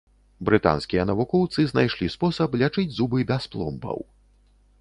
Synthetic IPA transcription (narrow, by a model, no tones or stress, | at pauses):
bɾɨt̪a̰nskʲijɐnɐvukɔwt̪sɨznajʂlʲispɔsɐplʲat͡ʂɨd͡zʲzubɨbʲasplˠɔ̰mbɐ̰w